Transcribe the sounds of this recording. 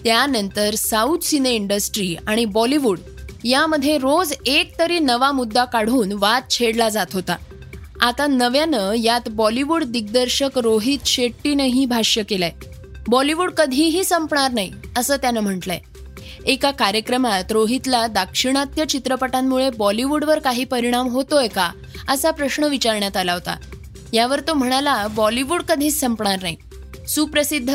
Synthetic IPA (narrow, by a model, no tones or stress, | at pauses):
t̪janənt̪əɾsaut̪sineiɳɖəsʈɾiːaɽ̃ibɔliʋuɽ | jaməd̪ʱːjeɾod͡zek̚t̪əɾiːnəʋamud̪ːakaɽ̤uːnʋat̪̚t͡ɕʰeɽlad͡zat̪ɦot̪a | at̪anəʋjanəjat̪bɔliʋuɽd̪iɡ̚d̪əɾɕəkɾoɦit̪ɕeʈːinəɦiːbʱaɕjəkela | bɔliʋuːɽkəd̪ʱiːɦiːsəmpɳaɾnaḭəsəːt̪janəm̤əɳʈlɛ̰ | ekakaɾjəkɾəmat̪ɾoɦit̪lad̪akʂiɽ̃at̪jət͡ɕit̪ɾəpəʈamːuɭebɔliʋuɽʋəɾkaɦiːpəɾiɽ̃amɦot̪ojka | əsapɾəɕɳəʋit͡ɕaɾɳjat̪alaɦot̪a̰ | jaʋəɾt̪om̤əɽ̃alabɔliʋuɽkəd̪ʱiːt͡ssəmpɳaɾnaɦi | suːpɾəsid̪ʱː